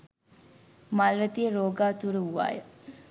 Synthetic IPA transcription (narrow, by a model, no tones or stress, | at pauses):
malʋət̪ijəɾoːɡaːt̪uɾəuʋa̰ːjə̰